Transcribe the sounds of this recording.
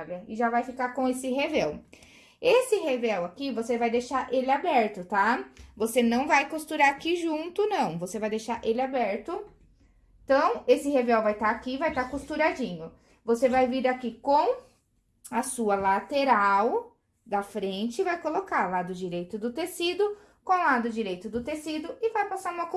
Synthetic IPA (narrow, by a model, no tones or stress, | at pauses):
lɐɪʒavajfikaɾkõesɪɦevɛw | esɪhevɛwakivosevajd̪ejʃaɾʔelɪabɛɾt̪ʊt̪avosenɐ̃w̃vajkust̪uɾaɾakiʒũnt̪ʊnɐ̃w̃vosevajd̪ejʃaɾʔelɪabɛɾt̪ʊ | t̪ɐ̃w̃esɪhevɛwvajt̪aakivajt̪akust̪uɾad͡ʒĩɲʊ | vosevajviɾakikõw̃ | ɐsuɐlat̪eɾaw | d̪ɐfɾẽnt͡ʃɪvajkolokaɾlad̪ʊd͡ʒiɾejt̪ʊd̪ʊt̪esid̪ʊ | kõlad̪ʊd͡ʒiɾejt̪ʊd̪ʊt̪esid̪ʊɪvajpasaɾũmɐk